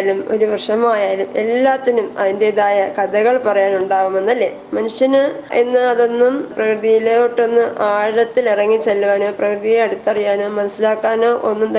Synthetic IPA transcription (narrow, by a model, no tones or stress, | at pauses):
lumo̞̰ɾuʋrʂɐmaːjaːlume̞̰lːaːt̪ːinumɐðinde̞iðaːjɐkɐðɐɣɐɭpɐrɐjaːnuɳɖaːʋumenːɐlːe̞̰ː | mɐnuʂjɐnenːɨɐðo̞nːumprɐkrɨðijileʈːo̞nːɨʔaːɻɐt̪ːilirɐŋːit͡ɕːelːuʋaːno̞ːprɐkrɨðijilɐɽut̪ːɐrijaːnoːmɐnɐsːilaːkːaːnoːʔo̞nːumt̪